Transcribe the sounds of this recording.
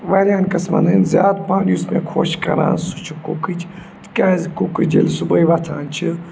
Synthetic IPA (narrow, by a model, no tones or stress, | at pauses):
ʋɐlʲaːnkɐsmɐ̰nɨnzʲjaːd̪̚pãːnʲjusmʲekʰoʃkɐɾa̰ːnsut͡ʃʰukokɨt͡ʃʰ | t̪kʲaːzkokɨd͡ʒelsubɐjʋɐt̪ʰaːnt͡ʃʰi